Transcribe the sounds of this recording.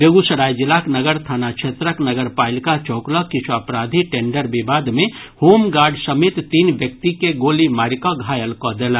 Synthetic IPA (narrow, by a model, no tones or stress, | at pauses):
beɡusəɾaːjd͡ʒilaknəɡəɾt̪ʰaːnat͡ʃʰet̪ɾəknəɡəɾpaːɪlkat͡ʃɔːklɔkɪt͡ʃʰuəpɾad̪ʱiʈeːɳɖəɾbibaːd̪mẽ | hoːmɡaːɾɖsəmet̪t̪iːnʋjək̚t̪ikeɡoːlimaːɾkɔɡʱaːjəlkɔd̪elə